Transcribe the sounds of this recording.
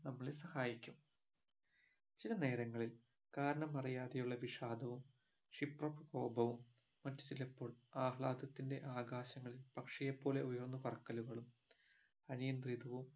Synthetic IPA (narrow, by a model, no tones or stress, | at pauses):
nɐmːɐɭesɐhaːjikʲːum | t͡ɕilɐne̞ːɾɐŋːɐɭil | kaːɾɐɳɐmɐrijaːðɐjuɭːɐʋiʂaːd̪ʱɐʋum | ʂiprɐpɐko̞ːbɐʋumː | ɐtːu̥t͡ɕilepːo̞ːɭaːhɭaːd̪ɐt̪ːinde̞ʔaːɡaːɕɐŋːɐɭilpɐkʂɐjepːo̞ːle̞ujɐrnːupɐrɐkːɐluɣɐɭum | ɐnijɐnd̪rid̪ɐʋum